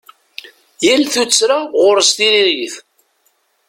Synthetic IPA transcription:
jælθut͡sːɾaʁʊɾəst̪iliɾiθ

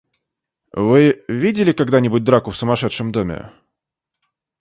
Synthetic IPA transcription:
vɨvʲidʲɪlʲɪkaɡd̪anʲɪbʊt̚ʲd̪ɾakʊfsʊmɐʂɛt̪ʂɨmd̪omʲɪ̰

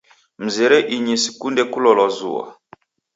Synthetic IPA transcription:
m̩zɛɾɛʔiɲisikundɛkulɔlɔzṵwa̰

